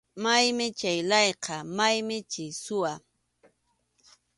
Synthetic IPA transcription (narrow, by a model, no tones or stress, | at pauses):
majmɪt͡ʃajlɑjqɑmajmɪt͡ʃɪsʊwa